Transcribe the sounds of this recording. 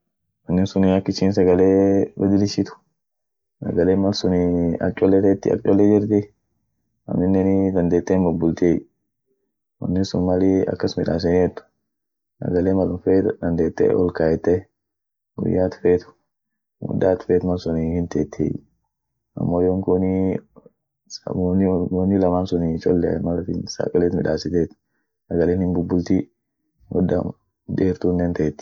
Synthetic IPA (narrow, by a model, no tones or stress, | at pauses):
wɐnːɪsʊnɪɐkːɪt͡ʃiːnsɐɡɐleːbɐd̪ɪlɪʃɪt̪ʊ̥ | sɐ̰ɡɐleːmɐlsʊnɪɐ̰t͡ʃʼɔlːɛt̪et̪ːɪɐ̰t͡ʃʼɔlːɛd͡ʒɪɾt̪ɪ | ɐ̰nɪnːɛnɪd̪ɐnd̪eːt̪ːeːmbʊbːʊlt̪eːj | wɐ̰nːɪsʊnmɐlɪɐ̰kːɐsmɪᶑa̰ːs̬ɛnɪɛt̪ːʊ̥ | sɐ̰ɡɐleːmɐlʊfeːd̪ɐnd̪eːt̪ːḛːɔ̰lkaːjɛt̪ːɛ | ɡʊ̰jːaːt̪ʊ̥feːt̪ʊ̥ | wɔ̰d̪ːaːt̪feːt̪mɐnsʊnihɪnt̪eːt̪ʰːḛj | ʔɐ̰mːoːjɔŋkʊni | sɐ̰nonːɪlɐmaːnsʊnit͡ʃɔlːɛmɐlɐfɪsa̰kʼɐleːt̪mɪᶑaːsɪt̪eːt̪ | ʔɐɡɐleːnhɪmbʊbːʊlt̪i | wɔd̪ɐ̰ | d̪eːɾt̪unːeːnt̪ɐɛt̪ːɪ̥